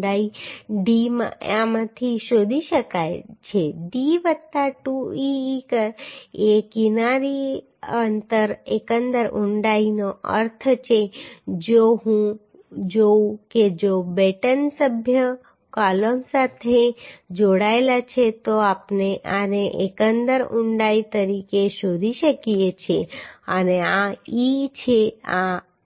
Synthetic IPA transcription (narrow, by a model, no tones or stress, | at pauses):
ɖaiɖim̰ãmət̪ʰiʃoːd̪ʱiʃəkaet͡ʃʰeɖiːʋət̪ːaʈuikəekɪnaːɾi | ənt̪əɾḛːkə̃nd̪əɾʊɳɖaːinoʔə̰ɾt̪ʰt͡ʃʰed͡ʒoɦũ | d͡ʒouked͡ʒobɛʈənsəbʱjə | kaləmsat̪ʰed͡ʒoɽaelat͡ʃʰet̪oapneʔaneʔekənd̪əɾʊɳɖait̪əɾikeʃod̪ʱiʃəkiet͡ʃʰeəneait͡ʃʰea